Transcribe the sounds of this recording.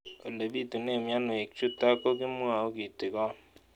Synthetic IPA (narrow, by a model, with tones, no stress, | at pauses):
o̰˨le˨bi˦tu˨ne˦˨mja˦no˨e˨k̚t͡ʃu˦ta˦ko˦ki˦mwa˨o˦ki˨te˨kɔ˦